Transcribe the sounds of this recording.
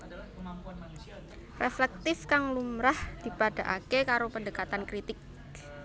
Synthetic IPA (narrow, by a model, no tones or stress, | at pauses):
reflɛk̚t̪ɪfkaŋlumɾahd̪̥i̤pad̥a̤ʔakekaɾopəndəkat̪ankɾit̪ɪk̚